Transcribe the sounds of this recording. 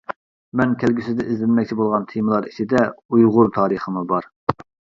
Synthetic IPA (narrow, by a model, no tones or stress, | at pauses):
mɛnkʲʰælɡʲysɪzd̪ɛʔizlɪnmɛkʲt͡ʃʰibolˠʁɑnt̪ʰemɨlˠɑɾit͡ʃʰɪd̪ɛujʁʊɾt̪ʰɑːɾəχəmubɑɾ